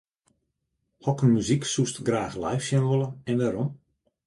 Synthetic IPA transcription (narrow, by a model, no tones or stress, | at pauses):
hɔkənmyziksustɡraːxlajfsjɛnʋolˠəɛndaɾom